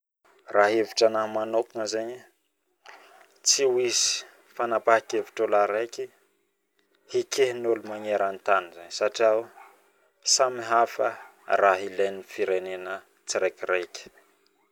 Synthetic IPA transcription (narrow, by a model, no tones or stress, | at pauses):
raɦeviʈ͡ʂanamanokuŋəzeɲi | t͡siwizi̥ | fanapakeviʈ͡ʂolaɾeki | hikʰeɦnulumaŋeɾant̪anizaɲsaʈ͡ʂiaw | samiɦafə̰ | raɦileninfiɾenenə | t͡siɾekireki̥